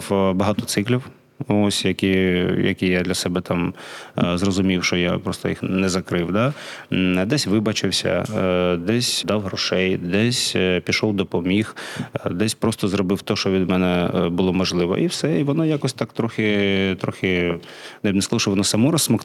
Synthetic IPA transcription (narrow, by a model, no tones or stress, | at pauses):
bɐɦɑt̪ɔt̪sɪklʲiw | osʲjɐkʲijɐ̰kʲijad̪lʲɐsɛbɛt̪ɑm | zrɔzʊmʲiwʃt͡ʃɔja̰pɾɔst̪ɔjixnɛzɐkɾɪwd̪ɑ | d̪ɛsʲʋɪbɐt͡ʃɪwsʲɐ̰d̪ɛsʲd̪ɑwɦɾɔʃɛjd̪ɛsʲpʲiʃɔwd̪ɔpɔmʲixd̪ɛsʲpɾɔst̪ɔzɾɔbɪwt̪ɔʃt͡ʃɔʋʲid̪mɛnɛbʊlˠɔmɔʒlˠɪʋɔ̰ʔiwsɛiʋɔnɔjakɔsʲt̪ɑkt̪ɾɔxʲɪt̪ɾɔxʲɪ | nɛnɛsklˠʊʃt͡ʃɪʋɔnɔsɐmɔɾɐsmɔk